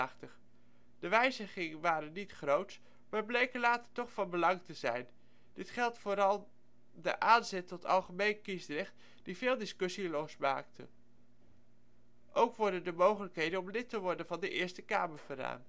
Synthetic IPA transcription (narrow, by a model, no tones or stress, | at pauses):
χtəχ | d̥əʋɛjzəχɪŋənʋaːɾənitχrowt | maːɹblejkəlaːtəɹtɔχfɑnbəlɑŋtəzɛjn | d̥ɪtχɛlˠtfoːɾɑlˠ | dəʔaːnzɛtɔtʰɑ̰lˠχəmejnkisdrɛχt | d̥ivɪːlˠdɪskɵsilɔsmaːk̚tə̰ | ʔowkʋɔɹdəndəmowχələkɦejdənɔmlɪtəʋɔɹdənvɑndəʔɪːɹstəkaːməɹvəra̰ːn